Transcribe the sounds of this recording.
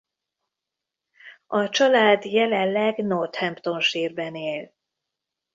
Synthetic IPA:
ɒt͡ʃɒlaːd̪jɛlɛnlɛɡnort̪hɛmpt̪o̞nʃiːrbɛneːl

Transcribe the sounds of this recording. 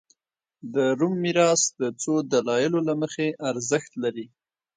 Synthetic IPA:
d̪əɾumːiɾɑsd̪ət͡sod̪alɑjɪlolaməxeʔaɾzəxt̪laɾi

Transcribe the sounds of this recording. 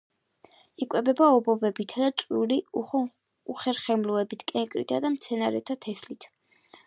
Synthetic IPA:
ikʼwɛbɛbaɔbɔbɛbit̪ʰad̪at̪sʼwuɾi | uχɛɾχɛmluɛbit̪ʰkʼɛŋkʼɾḭt̪ʰad̪amt̪sʰɛnaɾɛ̰t̪ʰat̪ʰɛslit̪ʰ

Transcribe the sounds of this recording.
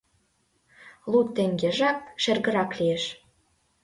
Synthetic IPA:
lˠut̪ːĕŋɡʲeʒɑk̚ʃĕrɣə̆ɾɑklʲieʃ

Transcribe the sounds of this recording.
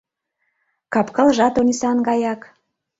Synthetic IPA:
kɑpkəlʒɑt̪onisɑnɡɑjɑk

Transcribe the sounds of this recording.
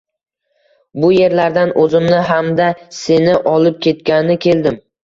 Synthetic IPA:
bʊje̞ɾlaɾd̪anʔɵzɪmnɪɦamd̪ase̞nɪʔɒlɪp̚kʲʰe̞t̪̚kʲanɪnɪkʲʰe̞ld̪ɪm

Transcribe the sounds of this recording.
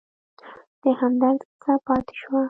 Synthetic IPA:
d̪̥əhamd̪aɾt͡sapɑt̪e̥ʃwa

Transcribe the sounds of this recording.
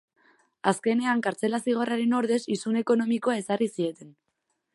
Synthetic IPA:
aske̞ne̞aŋkaɾt͡se̞lasiɣ̞oraɾe̞no̞ɾðe̞sisune̞ko̞no̞miko̞ae̞sarisie̞t̪e̞n

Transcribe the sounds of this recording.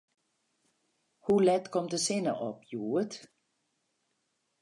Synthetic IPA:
hulɛd̪̥kʰɔmd̥̪eseːnɐʔɔb̥juːəd̥

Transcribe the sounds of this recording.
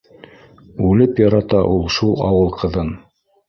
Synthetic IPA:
ʉlɘpjɑɾɑt̪ɑʔulˠʃulˠɑ̰wɤlˠqʰɤ̆ðɤn

